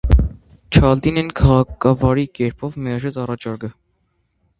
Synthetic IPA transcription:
t͡ʃʰɑld̪inɛnkʰɑʁɑkʰɑvɑɾikɛɾpʰɔvmɛɑʒɛt͡sɑrɑt͡ʃʰɑɾɡə

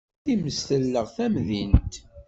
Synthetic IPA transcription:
θiməst̪əlːəʁθæmðint̪

